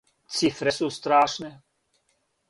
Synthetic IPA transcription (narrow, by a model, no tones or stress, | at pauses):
t͡sifɾɛsuːst̪ɾaːʃnɛ